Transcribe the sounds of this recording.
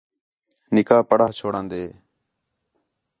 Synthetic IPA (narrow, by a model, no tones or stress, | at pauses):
nɪkaːpəɽaːt͡ʃʰoːɽãːnd̪eː